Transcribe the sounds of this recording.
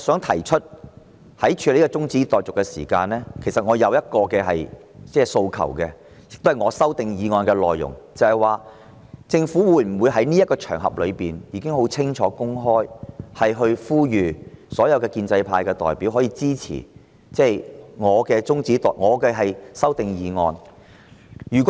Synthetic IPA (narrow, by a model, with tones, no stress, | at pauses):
sœː˨˥ŋt̪ʰɐ˨˩jt͡ʃʰɵ˥t̚ | hɐ˨˥jt͡ʃʰyː˨˧le˨˥kɔː˧t͡sʊ˥ŋt͡siː˨˥t̪ɔː˨j̚t͡sʊ˨kːɛ˧sḭː˨˩kaː˧nlɛː˥kʰe˨˩sɐ˨t̚ŋɔː˨˧jɐ˨˧wjɐ˥t̚kɔː˧kɛː˧ɦɐ̰˨j | t͡sɛː˥so˧wkʰɐ̰˨˩wkɛː˧ | jɪ˨k̚t̪hɐ˨jŋɔː˨˧sɐ˥wt̪ɪ˨ŋjiː˨˧ŋɔː˨˧jkɛ˧lɔː˨jːʊ̰˨˩ŋt͡sɐ˨˧hɐ˨˩jwaː˨ | t͡sɪ˧ŋfu˨˥wuː˨˧˥jm̩˨˩wuː˨˧jɦɐ˨˥jniː˥ɐt̚kːɔː˧t͡ʃʰœ̰ː˨˩ŋɦɐ̰˨p̚lɵ˨˧ɥpiː˨˩njiː˧kɪ˥ŋɦo˨˥wt͡sʰɪ˥ŋt͡ʃʰɔː˨˧˥kʊ˥ŋɦɔː˥jhɐ˨jɦɵ˧ɥfuː˥jyː˨sɔː˨˥jɐ˧wkɛː˧kiː˧nt͡sɐ˧jpʰaː˧jkɛː˧t̪ɔ̰ː˨jpi˨˥wɦɔː˨˥jiː˧t͡siː˥t͡sʰḭː˨˩ | t͡sɛː˥˩jŋɔː˨˧kɛː˧t͡sʊ˥ŋt͡siː˨˥t̪ɔ̰ː˨˩ŋɔː˨˧kɛ˧ɦɐ˨jsɐ˥wt̪ɪ˨ŋjiː˨˧ŋɔː˧n | jyː˨˩kʷɔ˦˥